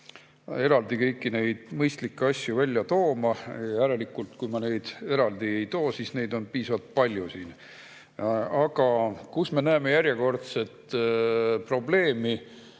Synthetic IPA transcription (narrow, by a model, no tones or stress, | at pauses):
e̞ɾɑld̪ikɤjkːˑine̞jd̪̥mɤjst̪likːeɑsʲjuvælʲjɑt̪o̞ːmɑjjæɾe̞likːˑult̪kujmɑne̞jd̪̥e̞ɾɑld̪̥ie̞jt̪o̞ːsiːsne̞jd̪o̞npiːsɑvɑlt̪̚pɑlʲjusiːn | ɑɡ̥ɑkusme̞næːme̞jæɾjeko̞rt̪se̞t̪ː | pro̞ble̞ːmi